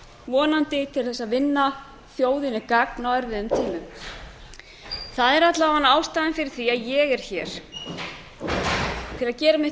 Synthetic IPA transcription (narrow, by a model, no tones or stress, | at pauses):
vɔːnant̪ɪt̪ʰɪlθɛsːaðvɪnːa | θjoːwðɪnɪkak̚nawɛɾðɪðʏmt̪ʰiːmʏm | θaðɛɾat̪laaanːaːwst̪aːðɪnfɪɾɪɾ̥θɾiaðjɛɣɛɾ̥çɛːɾ̥ | t̪ʰɪlaðcɛːɾamɪ